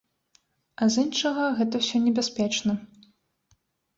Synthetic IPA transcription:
ɐzinʂɐɣɐɣɛt̪ɐwsʲɔnʲɛbʲasʲpʲɛt͡ʂnɐ

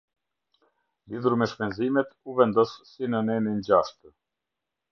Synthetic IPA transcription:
liðuɾmɛʃpɛnzimɛt̪uvɛnd̪ɔsːinənɛnind͡ʑaʃt̪ə

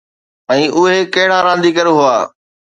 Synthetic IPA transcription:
ɛ̃ːʔʊɦekɐɦɪɽaɾãːnd̪ikəɾɦʊaː

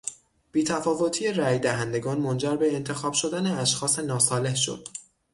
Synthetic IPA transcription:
b̥iːt̪ʰæfɒːvo̞t̪ʰiːeræjd̪æɦænd̪e̞ɡɒːnmo̞nd͡ʒæɾbe̞ːnt̪ʰe̞xɒːb̥ʃo̞d̪æneæʃxɒːse̞nɒːsɒːle̞hʃo̰d̪̥

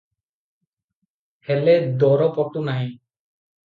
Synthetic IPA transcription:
hɛlɛd̪ɔɾɔpɔʈunaɦɛ̃

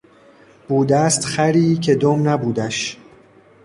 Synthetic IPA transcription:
b̥uːd̪æst̪χæɾiːcʰe̞d̪omnæbuːd̪æʃ

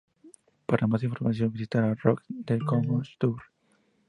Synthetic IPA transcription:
paɾamas̬ĩnɱfɔɾmas̬ioŋvisit̪aɾarɔk̚d̪ekɔŋɔst̪uɾ

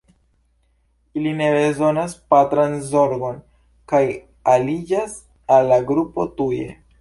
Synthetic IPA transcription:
iline̞bezo̞naspatɾanzo̞ɾɡo̞n | kaj | alid͡ʒas | alːaɡɾupo̞tuje̞̰

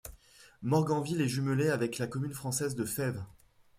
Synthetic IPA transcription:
mɔʁɡɑ̃vilɛʒyməleavɛklakɔmynfχɑ̃sɛzd̪əfɛv

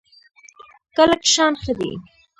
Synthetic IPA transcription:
kəlakʃɑnxəd̪ḭ

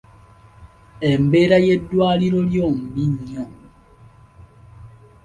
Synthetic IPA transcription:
embe̞ɾaje̞dwaːliɾo̞ljoːmbiɲo

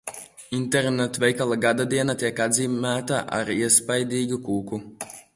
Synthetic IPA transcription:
int̪ɛɾnɛt̪vʲɛjkalˠaɡad̪ad̪iɛnat̪ʲiɛkad̪ziːmæːt̪aʔa̰ɾiɛspajd̪ʲiːɡukuːku

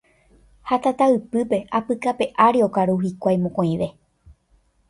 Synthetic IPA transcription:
hat̪at̪aɨpɨpe̞apɨkape̞ʔaɾio̞kaɾuɦikʷajmõkõĩʋe̞

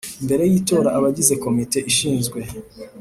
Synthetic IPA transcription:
mbe̞ɾe̞jiːto̞ːɾaʔaβaɟize̞ko̞mite̞ʔiʃiːnzɡwe̞

